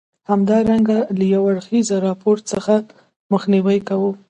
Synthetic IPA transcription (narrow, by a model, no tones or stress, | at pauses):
hamd̪ɑɾaŋɡalajawaɽxizɾɑpoɾt͡səxa | məxniwəjkawu